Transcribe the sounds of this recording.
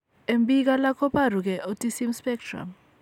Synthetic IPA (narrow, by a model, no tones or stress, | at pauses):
embʼik̬alakʰɔparuk̬ɛʔotʼisimspɛk̚tʰra̰m